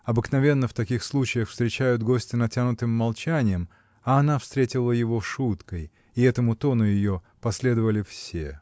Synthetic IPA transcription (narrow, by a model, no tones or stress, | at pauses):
ɐbɨknɐvʲe̞nːəft̪ɐkʲixslˠut͡ɕɪjəxfst̪ɾʲɪt͡ɕæjʊd̪ɡo̞sʲtʲɪnɐtʲanʊt̪ɨmːɐlˠt͡ɕænʲɪjəm | ɐɐnafst̪ɾʲetʲɪlˠəjɪvo̞ʂut̪kəj | ɪɛt̪əmʊt̪o̞nʊjɪjo | pɐsʲlʲe̞d̪əvəlʲɪfsʲe̞̰